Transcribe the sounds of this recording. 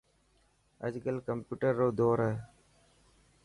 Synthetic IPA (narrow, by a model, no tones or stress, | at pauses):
ə̰d͡ʒɡəlkəmpjuːʈəɾːoːd̪oːɾəː